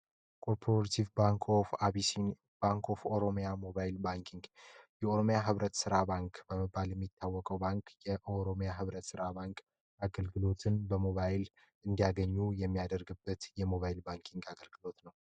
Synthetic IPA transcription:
kʼʰo̞ɾpʰoɾat̪ʰivbaŋkʰofaβisin | b̥aŋkʰo̞foɾo̞mjamo̞βajlbaŋkʰiŋɡjɛoɾo̞mjaɦɨβɾət̪sɨɾabaŋkbəmɨbːaljɛmːit̪ʰːawːɔkʼəwbaŋkjɛʔoɾo̞mjaɦɨβɾət̪sɨɾabaŋkʼ | aɡəlɡɨlo̞t̪ʰɨnbəmo̞βajɪl | ʔɨnd̪ijaɡəɲːujɛmːijad̪əɾɡɨbːət̪jɛmo̞βajɪlbaŋkʰiŋɡaɡəlɡɨlo̞t̪nəw

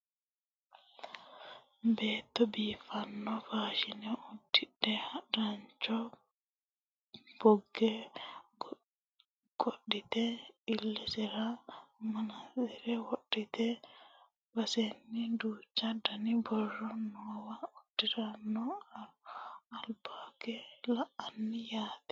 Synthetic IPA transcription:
bɛt̪ɔbiːfanːɔfad͡ʒinɛudːiɗːɛhaɾaɲt͡ʃɔ | b̥oɡːɛ | ɡ̥oɗːitɛilːɛsɛɾamanadiɾɛwoɗːit̪ɛ | wasenːiduːt͡ʃːadanibɔrːɔnɔwaudiɾanːɔa | albaɡɛlaanːijaːt̪ɛ̥

